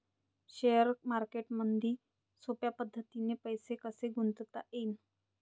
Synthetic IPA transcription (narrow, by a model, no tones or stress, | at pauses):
ɕejəɾmaɾkeʈmənd̪ʱiː | sopjapəd̪ʱːət̪inepəjsekəseɡʱunt̪t̪a̰ʔen